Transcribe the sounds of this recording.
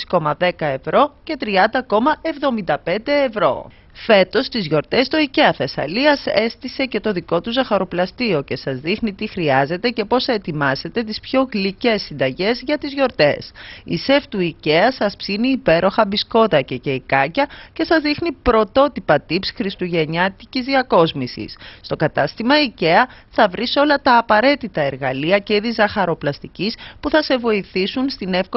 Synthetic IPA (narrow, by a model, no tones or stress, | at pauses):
sko̞mɐðe̞kɐe̞vɾo̞ce̞t̪ɾiɐnd̪ɐko̞mɐevðo̞mind̪ɐpe̞nd̪e̞ːvɾo̞̰ | fe̞t̪o̞st̪izʝo̞ɾt̪e̞st̪o̞ice̞ɐθe̞sɐ̰liɐse̞st̪ise̞ce̞t̪o̞ðiko̞t̪uzɐxɐɾo̞plɐst̪io̞ce̞sɐzðixnit̪ixɾiɐze̞t̪e̞ce̞po̞sɐet̪imɐze̞t̪e̞t̪ispço̞ɣlice̞sːind̪ɐʝe̞zʝɐt̪izʝo̞ɾt̪e̞sḭse̞ft̪uice̞ɐsɐspsiniːpe̞ɾo̞xɐbisko̞t̪ɐcece̞ikɐcɐce̞sɐzðixnipɾo̞t̪o̞t̪ipɐt̪ipsxɾist̪uʝe̞ɲɐt̪icizðiɐko̞zmisḭsːt̪o̞kɐt̪ɐst̪imɐice̞ɐθɐvɾiso̞lɐt̪ɐːpɐɾe̞t̪it̪ɐe̞ɾɣɐliɐceiðizɐxɐɾo̞plɐst̪icispuθɐse̞vo̞iθisunst̪ine̞fk